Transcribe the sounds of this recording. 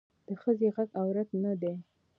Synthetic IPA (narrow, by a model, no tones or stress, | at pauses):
d̪̥əxəzeɣaɡawɾat̪nad̪e